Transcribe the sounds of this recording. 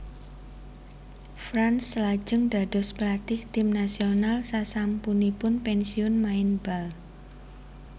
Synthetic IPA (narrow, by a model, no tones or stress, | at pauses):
fɾanslḁd͡ʒ̥əŋd̪̥a̤d̥ɔ̤spəlat̪ɪht̪ɪmnasionalsasampunipʊnpɛnsiʊnmaɪnb̥al